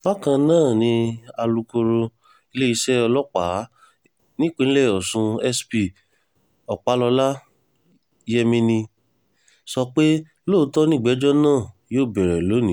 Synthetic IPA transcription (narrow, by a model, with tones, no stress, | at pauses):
ba˦kã˧nãː˦˨nĩ˧a˧lu˧ko˧ɾo˧ | i˧le˦i˧˦ʃɛ˦ɔ˧lɔ˦k͡pa˨˦ | nĩ˦k͡pĩ˨˦ñ̩˦lɛ˦˨ɔ˨sũ˧ɛ˦spi˨ | ɔ˨k͡pa˨˦lɔ˧la˦ | jɛ˦mĩ˧nĩ˧ | sɔ˧k͡pe˦ | loː˦˨˦tɔ˦nĩ˦˨ɡ͡bɛ˨˦d͡ʒɔ˦nãː˦˨joː˦˨bɛ˨ɾɛ˨lo˨˦nĩ˨˦